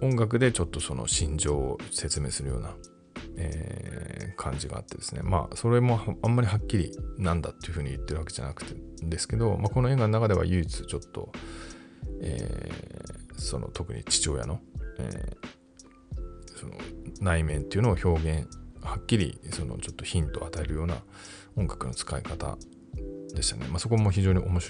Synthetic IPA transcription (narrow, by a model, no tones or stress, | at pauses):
õ̞ŋɡak̬ɯ̟d̪et͡ɕo̞t̪ːo̞so̞no̞̰ɕĩɲ̟d͡ʑo̞ːose̞t͡sɨme̞ːsɨɾɯ̟jo̞̰ːna | ḛː | kʰãɲ̟d͡ʑiɡa̰ːt̪ːe̞d̪e̞sɨne̞̰ma̰so̞ɾe̞mo̞hãmːaɾʲiɦakʲːiɾʲḭnãnd̪at̪ːeiɯ̟ɸɯ̟ːɲ̟iɯt̪ːe̞ɾɯβakeʑa̰nakɯ̟̥t̪e̞d̪e̞sɨ̥ke̞d̪o̞mako̞no̞e̞ːɡanonakad̪e̞βa̰jɯ̟it͡sɨ̥t͡ɕo̞t̪ːo̞̰ | ḛː | so̞̰nʔo̰t̪o̞kɯ̟̰ɲ̟ḭt͡ɕi̥t͡ɕo̞ːja̰no̞ḛː | so̞no̰naimẽ̞nt̪e̞iɯ̟noːço̞ːɡẽ̞ɰhakʲːiɾʲḭso̞no̞̰t͡ɕo̞t̪ːoçĩnt̪o̞at̪ae̞ɾɯ̟jo̞ːna̰ | õ̞ŋɡakɯ̟no̞t͡sɨ̥kaikat̪a̰ | d̪e̞ɕɨ̥t̪anemaso̞k̬o̞moçiʑo̞ːɲ̟iʔo̞mo̞ɕi